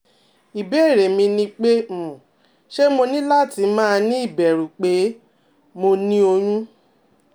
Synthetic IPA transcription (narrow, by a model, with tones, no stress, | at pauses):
i˨be˨˦˨ɾe˨mĩ˧nĩ˧k͡pe˦˨ | ʃe˦mo˧nĩ˦la˦˨ti˨˦mãː˦˧nĩ˦i˦˨bɛ˨ɾũ˨k͡pe˨˦ | mo˧nĩ˦o˧j̃ũ˦